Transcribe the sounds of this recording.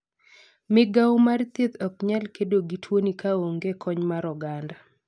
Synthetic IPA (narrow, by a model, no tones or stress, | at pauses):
mɪɡawmart̪et̪ɔk̚ɲɛlkedoɡitʰwonikaoŋɡekʰɔɲmaɾɔɡanda